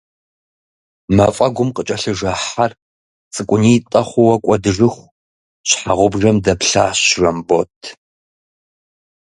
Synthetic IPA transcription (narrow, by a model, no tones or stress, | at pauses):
mɐfʼɐɡʷʊmqət͡ʃʼɐɬɨʐɐħar | t͡sʼɨkʷʼʊniːtʼɐχʷʊwɐkʷʼɔdɨʐɨχʷ | ɕħaʁʷʊbʐɐmdɐpɬa̰ːɕrɐmbotʰ